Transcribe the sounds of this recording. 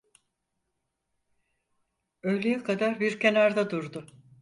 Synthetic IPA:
ø̞jlejɛkʰad̪aɾbiɾcʰe̞naɾd̪ad̪uɾd̪ʊ

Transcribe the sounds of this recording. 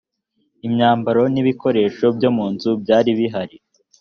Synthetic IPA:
imɲaːmbaɾo̞niβiko̞ɾe̞ːʃo̞bjomuːnzubɟaːɾiβiɦaɾi

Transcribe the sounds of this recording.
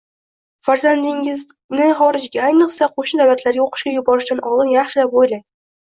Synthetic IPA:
fæɾzænd̪iŋɡɘz | nɘχɒɾɪ̆ʑɡʲæɒjnɤ̆qsɑquʃd̪æwlæt̪læɾɡʲæuqɤ̥̆ʃkɑjubɒɾɘ̆ʃt̪ænʔɒlˠɤnjæχʃɘlæpujlˠɑj

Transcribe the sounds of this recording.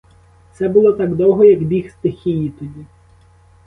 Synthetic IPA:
t̪sɛbʊlˠɔt̪ɑɡd̪ɔwɦɔjɐkbʲixst̪ɪxʲijit̪ʊdʲi

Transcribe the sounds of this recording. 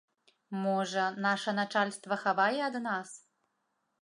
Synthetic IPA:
mɔʐɐnaʂɐnat͡ʂalʲst̪vɐxabajɛɐd̪nas

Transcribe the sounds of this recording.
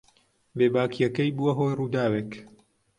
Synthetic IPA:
beːbaːkijɐkɐjbuwɐɦoːjruːd̪aːweːk

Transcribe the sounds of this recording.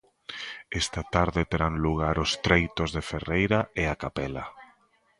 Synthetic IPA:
ɛst̪at̪aɾðɪt̪eɾaŋluɣaɾʊst̪ɾejt̪ʊzðeferejɾaeakapɛla̰

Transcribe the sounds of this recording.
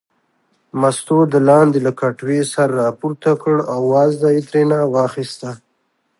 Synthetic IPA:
mast̪od̪əlɑːnd̪elakaʈwesaɾːɑpuɾt̪akəɽawːɑzd̪ait̪ɾenawɑxist̪a

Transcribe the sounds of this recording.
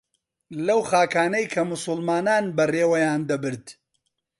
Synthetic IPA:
lɐwχaːkaːnɐjkʰɐmʊsʊlmaːnaːnbɐreːwɐjaːnd̪ɐbɨɾt̪

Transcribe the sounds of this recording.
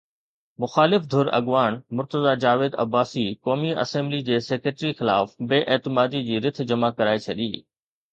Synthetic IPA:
mʊxaːlɪfd̪ʱʊɾɐ̰ɠʋaːñmʊɾt̪əzad͡ʑaːʋeːd̪ɐ̰baːsikɔːmiʔɐ̰sɛ̃ːmblid͡ʑeːseːkɾeʈɾixɪla̰ːfbeːʔeːt̪ɪmaːd̪id͡ʑiːɾɪt̪̆ʰd͡ʑɐmakɐɾaːet͡ɕʰɐɗiː

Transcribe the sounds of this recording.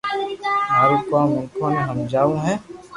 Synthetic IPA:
maːɾukãːmʊ̃ŋkʰõneɦɐmd͡ʒaːũɦɛ̃ː

